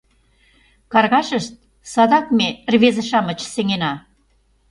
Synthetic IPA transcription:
kɑrɣɑʃə̆ʃt̪̚ | sɑd̪ɑkmerβezə̆ʃɑmə̆t͡ɕseŋenɑ

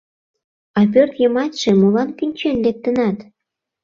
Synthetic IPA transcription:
ɑp̬ørt̪jəmɑt̪ʲʃemolɑnkynʲt͡ɕenlek̚t̪ə̆nɑt̪

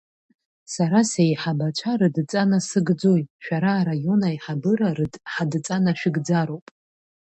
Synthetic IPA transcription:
saɾasejħabat͡ʃʷʰarɨdt͡sʼanasɨɡd͡zo̞jʼʃᶣaɾaːɾajo̞naiħabɨɾarɨdʼħadt͡sʼanaʃᶣɪɡd͡zaɾo̞wpʼ

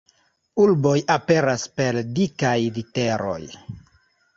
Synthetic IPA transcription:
ulbo̞jape̞ɾaspe̞ldikajlite̞ɾo̞̰j

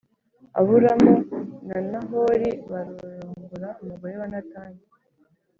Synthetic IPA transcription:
a̰βuɾamunanaɦoɾiβaɾojoŋɡuɾaumuɡojeβanataːɲi

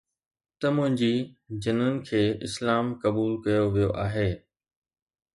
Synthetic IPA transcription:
t̪ɐmʊ̃ɦɪ̃ɲd͡ʑid͡ʑɪnənɪ̆kʰeːɪ̰slaːmkɐbuːlkɐjoʋijoʔaːɦeː

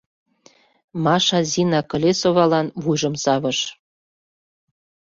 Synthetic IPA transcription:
mɑʃɑzinɑkɤ̆lʲesoβɑlɑnβujʒə̆msɑβə̆ʃ

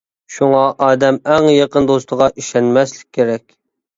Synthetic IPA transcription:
ʃuŋɑʔɑːd̪ɛmæŋjɑqənd̪ost̪əʁɑʔiʃɛnmɛslɪ̥k̚ʲʰːeɾɛkʲ

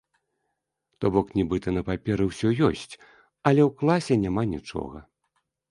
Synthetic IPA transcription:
t̪ɔbɔknʲibɨt̪ɐnɐpapʲɛɾɨwsʲɔjɔsʲt͡sʲ | ɐlʲɛwklˠasʲɛnʲamanʲit͡ʂɔ̰ɣɐ

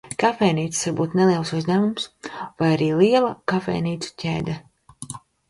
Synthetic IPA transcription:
kafɛjniːt̪ssaɾbuːt̪neliɛlˠsuzd̪æːmumsvajaɾiːliɛlˠakafɛ̰jniːt̪su̥cʰʲḛːd̪ɛ

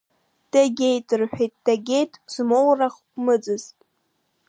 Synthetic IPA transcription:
d̥aɡʲe̞jtʼɨrħʷᶣejt̚ʼd̥aɡʲejtʼz̥mowraχ | mɨd͡zɨztʼ

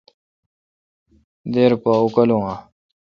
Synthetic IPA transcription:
d̪eːɾpaukɐlũŋã

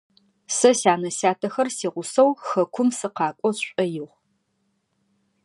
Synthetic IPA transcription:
sɐsaːnɐsaːtʰɐxɐrsiːʁʷʊsɐwxɐkʷʰʊmsɨqɑːkʷʼɔɕʷʼɐjɪʁ

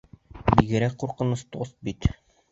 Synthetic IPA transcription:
biɡɘ̆ɾækquɾqɤ̆nɤst̪ost̪̚bit̪

